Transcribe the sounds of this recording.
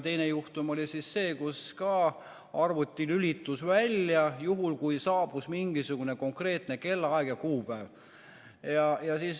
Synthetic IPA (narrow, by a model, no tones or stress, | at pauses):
t̪e̞jnejuht̪umo̞lʲisisːe̞ːkuskɑː | ɑrvut̪ʲːilylʲit̪ːˑusvælʲjɑjuɦulkujsɑːb̥usmiŋɡ̥isuɡ̥une̞ko̞ŋkre̞ːt̪ne̞ke̞lːɑɑeɡ̥jɑkuːpæːv | jɑjɑsis